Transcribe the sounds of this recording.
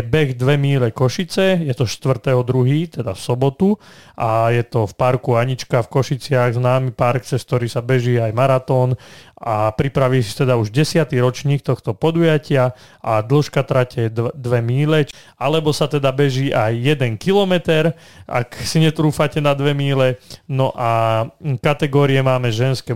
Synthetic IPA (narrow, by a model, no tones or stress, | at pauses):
bɛɣd̪ʋɛmiːlɛkɔʃit͡sɛjɛt̪ɔʃt̪ʋr̩t̪ɛɦɔd̪ɾuɦiːt̪ɛd̪afsɔbɔt̪uʔajɛt̪ɔfpaɾkuaɲit͡ʃkafkɔʃit͡sɪaɣznaːmipaɾkt͡sɛskt̪ɔɾiːsabɛʒiːajmaɾat̪ɔːnapɾipɾaʋiːsi̥t̪ɛd̪auʒɟɛsɪat̪iɾɔt͡ʃɲiːk̚t̪ɔxt̪ɔpɔd̪ujacɪa | ʔad̪l̩ʃkat̪ɾacɛd̪ʋɛmiːlɛ | alɛbɔsat̪ɛd̪abɛʒiːʔajːɛd̪ɛŋkilɔmɛt̪ɛɾ | a̰ksiɲɛt̪ɾuːfacɛnad̪ʋɛmiːlɛnɔʔakat̪ɛɡɔːɾiɛmaːmɛʒɛnskɛ